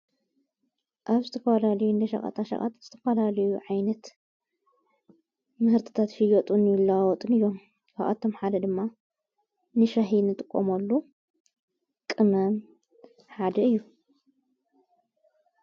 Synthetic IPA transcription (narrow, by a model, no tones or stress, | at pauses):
ʔaβzɨt̪ʰɐfɐlalɐjund̪ɐʃɐ̰χʼɐ̰t̪ʰaʃɐ̰χʼa̰t̪z̥ɨt̪ʰɐfɐlalɐjuʕajnɐt̪ | mɨhɨɾt̪ʰɨ̥t̪ʰat̪fijot̪ʼunjulːawɔt̪ʼɨnɨjːo̞m | kʰaa̰t̪ʰo̞mħad̪ɐd̪ɨmːa | nɨʃɐɦinɨt̪ʼɨkʼːomɐlːu | kʼɨnɐm | ħad̪ɐɨjːu